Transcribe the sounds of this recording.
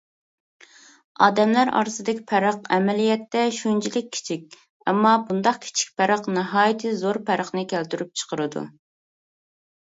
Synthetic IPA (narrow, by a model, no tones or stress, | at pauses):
ɑ̰ːd̪ɛmlæɾɑ̰ɾsɨd̪ɪkʲʰi̥pʰæɾəqɛmɛlijɛt̪ːɛʃunt͡ʃʰilɪk̚ʲʰːi̥t͡ʃʰik̚ʲ | ɛ̰mːɑbund̪ɑqkʲʰi̥t͡ʃʰi̥k̚ʲpʰæɾəqnɨɦɑːjit̪ʰɨzoɾpʰæɾəχnɨkʲælt̪yɾyp̚t͡ʃʰə̥qəɾɨd̪ṵ